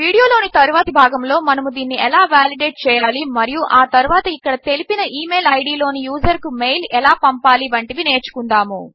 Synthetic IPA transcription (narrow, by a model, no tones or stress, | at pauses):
ʋiːɽijo̞ːlo̞ːnit̪ɐɾuʋaːt̪ɐbʱaːɡɐmlo̞ːmɐnɐmud̪iːnːiɛlaːʋaːliɖeːʈ̚t͡ʃɛːjaːlimɐɾijuʔaːt̪ɐɾuʋaːt̪ɐikːɐɽɐt̪e̞lipinɐʔiːmeːlɐjɽiːlo̞ːnijuːd͡ʒɐɾkumejlɛlaːpɐmpaːliʋɐɳʈiʋine̞ːɾt͡ʃu̥kund̪aːmu